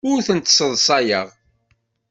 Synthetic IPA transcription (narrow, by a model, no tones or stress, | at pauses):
ʊɾθənt̪səðˤsˤɑjəʁ